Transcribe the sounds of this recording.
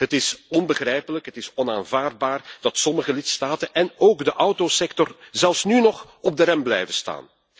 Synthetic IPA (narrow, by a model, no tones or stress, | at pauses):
ɦətɪsɔnbəɣrɛjpələkɦətɪsɔnaːnvaːrd̚baːrd̥ɑtsɔməɣəlɪtstaːtənʔɛnoːɡdəʔɔwtosɛktɔrzɛlˠfsnynɔχ | ɔb̚dəɾɛmblɛ̰jvəsta̰ːn